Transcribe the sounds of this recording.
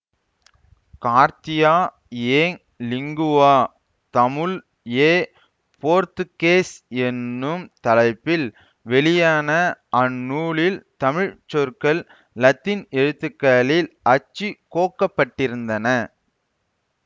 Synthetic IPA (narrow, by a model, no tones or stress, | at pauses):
kaːɾt̪ɪjaː | eːŋ | lɪŋɡʊʋaː | t̪ɐmɯl | eː | poːɾt̪ɯkeːsɛnːɯmt̪ɐlɐɪpːɪl | ʋɛɭɪjaːnɐʔɐnːuːɭɪlt̪ɐmɪɻt͡ʃɔɾkɐɭː | ɐt̪ːɪnɛɻɯt̪ːɯkːɐlɪlʔɐt͡ʃːikoːkːɐpːɐʈːɪɾɯnd̪ɐnɐ